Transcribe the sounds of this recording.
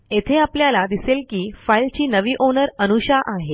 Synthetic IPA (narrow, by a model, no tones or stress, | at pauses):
et̪ʰeapljalad̪iselkiːfailt͡ɕiːnəʋiːʔonəɾənuɕaʔaɦe